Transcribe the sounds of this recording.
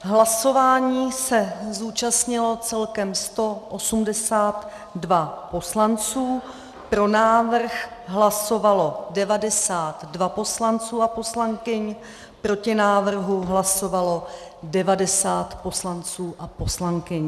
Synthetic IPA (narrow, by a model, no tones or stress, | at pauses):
ɦlaso̞vaːɲiːsɛzuːt͡ʃastɲɪlo̞t͡sɛlkɛmst̪o̞ʔosumdɛsaːt̪ | dvapo̞slant͡suː | pɾo̞naːvr̩xɦlaso̞valo̞dɛvadɛsaːt̪dvapo̞slant͡suːapo̞slaŋkɪɲ | pɾo̞cɪnaːvr̩ɦuɦlaso̞valo̞ | dɛvadɛsaːt̪po̞slant͡suːʔapo̞slaŋkɪɲ